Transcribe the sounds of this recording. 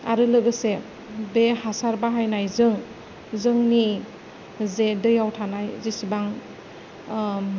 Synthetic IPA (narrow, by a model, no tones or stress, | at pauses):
aɾɯlɯɡɯse | behasaɾbaɦajnajzɯŋ | zɯŋni | zedɯjawtʰanajzisibaŋ